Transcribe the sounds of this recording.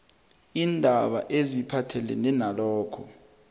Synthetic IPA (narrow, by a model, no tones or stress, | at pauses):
iːndʱaɓa̰ʔezipʰatʰɛlɛnɛnalɔːkʰɔ